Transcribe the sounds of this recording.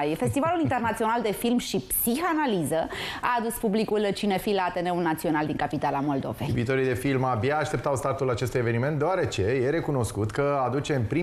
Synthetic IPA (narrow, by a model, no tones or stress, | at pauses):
jfe̞st̪ivalulint̪enat̪sio̞nald̪e̞filmʃipsixanalizəa̰ːd̪uspublikult͡ʃinefilaːt̪e̞ne̞ulnat̪sio̞nald̪iŋkapit̪alamo̞ld̪o̞̰vḛviːt̪o̞ɾijd̪e̞filmabjaːʃt̪e̞p̚t̪awst̪art̪ulat͡ʃe̞st̪uje̞ve̞niment̪d̪eaɾe̞t͡ʃe̞jeɾe̞kuno̞skut̪kəad̪ut͡ʃe̞ɨnpɾi